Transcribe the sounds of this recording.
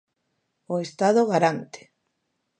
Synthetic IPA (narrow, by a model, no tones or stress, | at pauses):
oest̪aðoɣaɾant̪e̥